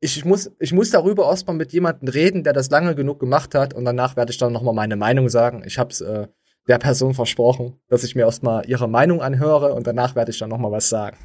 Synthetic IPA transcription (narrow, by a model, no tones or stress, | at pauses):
ʔɪçmʊsʔɪçmʊsd̥aʁ̞yːbɐɛɐst̚maːlmɪtjeːmandn̩ʁeːdn̩deːɐdas̬laŋəɡənuːk̚ɡ̥əmaχthatʊ̰ntd̥anaːχv̥eːɐdəɪçd̥anːɔχmaːlmaɪnəmaɪnʊŋzaːɡŋ̩ʔɪ̰çhaːbsʔɛː | d̥eːɐpʰɛɐzoːnfɛɐʃpʁ̥ɔχn̩d̥asɪçmiːɐɛːɐstmaːlʔiːʁ̞əmaɪnʊŋʔanɦøːʁ̞əʊ̰ntd̥anaːχv̥eːɐɾəɪçd̥anːɔχmaːlvasz̥aːɡŋ̩